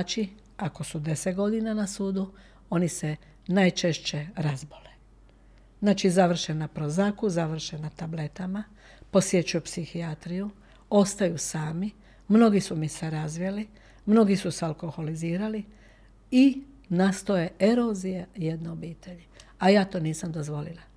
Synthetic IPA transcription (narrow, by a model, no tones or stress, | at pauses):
t͡ʃi | ako̞sud̪e̞set̪ɡo̞d̪inanasuːd̪u | o̞nise | najt͡ʃe̞ʃt͡ɕe̞ɾazbole | znaːt͡ʃizaʋr̩ʃenapɾozakuzaʋr̩ʃenat̪able̞t̪ama | po̞sje̞t͡ʃujupsixiat̪ɾiju | o̞st̪ajusaːmi | mno̞ɡisumiseɾazʋijeli | mno̞ɡisusealko̞xo̞liziːɾali | i | nast̪o̞je̞e̞ɾozijajed̪noobiːt̪e̞ʎeajaːt̪o̞ːniːsamd̪o̞zʋo̞lila